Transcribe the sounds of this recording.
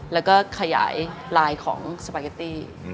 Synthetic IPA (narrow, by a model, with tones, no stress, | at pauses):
lɛː˦˥wkɔː˥˩kʰa˧ja̰ː˩˦jlaː˧jkʰɔ̰ː˩˦ŋsa˧pa˧˩ka˧t̪iː˥˩